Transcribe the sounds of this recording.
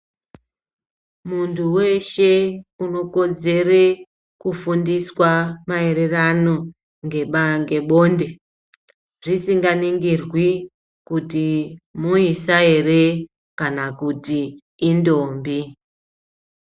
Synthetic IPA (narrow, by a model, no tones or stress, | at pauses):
muntʰuwe̞ʃe̞uno̞ko̞d͡ze̞re | kufundiswamae̞ɾe̞rano̞ | ŋɡeɓaŋɡe̞ɓo̞nde | ʐisiŋɡaniŋɡirwi | kutimuisae̞re | kanakutiː | ndombi